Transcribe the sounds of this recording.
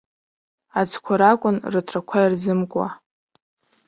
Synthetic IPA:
ad͡zkʷʰaɾakʷʼʊnrɨtʰrakʷʰairzɨmkʷʼwa̰

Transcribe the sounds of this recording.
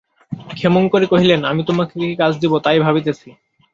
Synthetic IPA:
kʰemonkoɾikoɦilenamit̪omakeikikad͡ʑʰd̪ibot̪ajbʱabit̪et͡ɕʰi

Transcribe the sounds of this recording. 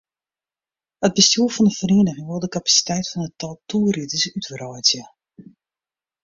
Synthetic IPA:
əd̚bəstjuəfɔndəfriəndəɣɪŋwɔlˠdəkapḁsi̥tɛjtfɑnətɔlˠtuːəritəsytfərɔjtjə

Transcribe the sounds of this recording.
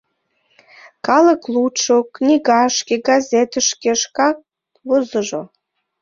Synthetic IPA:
kɑləklut͡ʃoknʲiɡɑʃkʲeɡɑzʲet̪əʃkʲeʃkɑk̚ | vozəʒo̰

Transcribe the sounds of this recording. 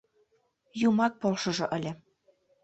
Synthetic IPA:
jumɑk̚polˠʃɤ̆ʒɤ̆ʔə̆lʲɘ̆

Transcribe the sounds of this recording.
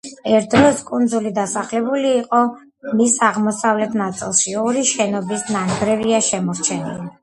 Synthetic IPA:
ɛɾt̪̚ʰdɾɔskʼund̪zulid̪asaχlɛbuliːqʼɔ | misaʁmɔsavlɛt̪ʰnat̪sʼḭlˠʃiɔɾiʃɛnɔbisnaŋɡɾɛviaʃɛmɔɾt͡ʃʰɛnḭli

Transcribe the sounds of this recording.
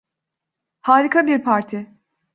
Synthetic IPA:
haːɾikʰabiɾpʰaɾt̪ʰɪ

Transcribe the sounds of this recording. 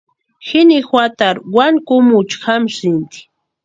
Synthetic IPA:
xɪnixwat̪aɾwaŋkʊmʊt͡ʃxamsɪnt̪i̥

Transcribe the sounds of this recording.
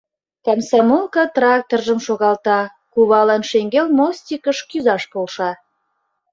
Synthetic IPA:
t̪æmsɑmolˠkɑt̪rɑk̚t̪orʒə̆mʃoɣɑlt̪ɑ | kuβɑlɑnʃeŋɡelmosʲt̪ʲikəʃkyzɑʃpolʃɑ

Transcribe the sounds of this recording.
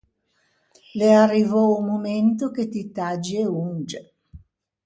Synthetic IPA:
learːivɔumoment̪oket̪it̪ad͡ʒeund͡ʒe

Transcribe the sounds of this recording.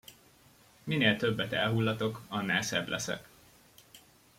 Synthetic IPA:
mineːlt̪ø̞bːɛt̪ɛ̰lɦulːɒt̪o̞kɒnːaːsɛblʔɛ̰sɛ̰k

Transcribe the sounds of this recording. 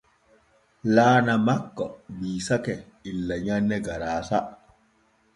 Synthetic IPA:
laːnamakːɔbiːsakɛ | ilːaɲanːɛɡaɾaːsa

